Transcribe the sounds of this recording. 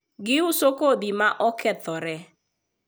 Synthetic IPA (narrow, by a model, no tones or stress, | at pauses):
ɡɪʊsokod̪imaʔɔkʰɛt̪ɔɾɛ